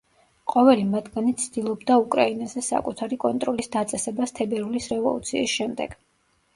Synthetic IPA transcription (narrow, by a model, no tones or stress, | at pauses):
qʼɔvɛlimat̪ʰɡanit̪sʰd̪̥ilˠɔbd̪aukʼɾainazɛsa̰kʼut̪ʰaɾikʼɔ̰nt̪ʼɾɔlisd̪at̪sʼɛsɛbast̪ʰɛbɛɾulisɾɛvɔ̰lˠṵt̪sʰḭːsʃɛmd̪ɛ̰ɡ̥